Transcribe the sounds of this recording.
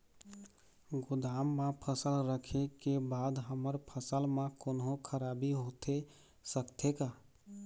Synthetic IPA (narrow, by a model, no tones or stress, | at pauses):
ɡʊd̪aːmːãpʰəsəlɾəkʰekebaːd̪ɦəməɾpʰəsəlmãkʊnɦõkʰəɾaːbiɦoːt̪e | səkt̪ʰekaː